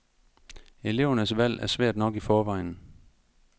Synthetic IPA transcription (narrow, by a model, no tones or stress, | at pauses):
ele̝ʊ̰ɐnəsʋæl̰æɐsʋæɐ̰d̥nɒ̽ɡ̥ifɒːʋɑ̈ɪ̰n̩